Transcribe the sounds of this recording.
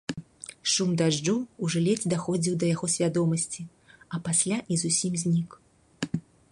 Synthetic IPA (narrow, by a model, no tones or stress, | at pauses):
ʂumd̪aʐd͡ʐuuʐɨlʲɛt͡sʲd̪axɔd͡zʲiwd̪ɐjaɣɔsʲvʲad̪ɔmɐsʲt͡sʲi | ɐpasʲlʲaʔizusʲimzʲnʲik